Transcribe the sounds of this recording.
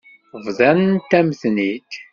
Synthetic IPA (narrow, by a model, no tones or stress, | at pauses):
vðˤænənt̪ːæmθnit̪